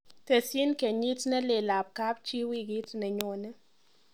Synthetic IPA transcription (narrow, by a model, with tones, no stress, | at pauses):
tɛ˨si˦nkɛ˨ɲi˦tnɛ˦le˨la˨p̚ka˦p̚t͡ʃi˦wi˦ɡɪ˦tnɛ˨ɲo˨nɛ˦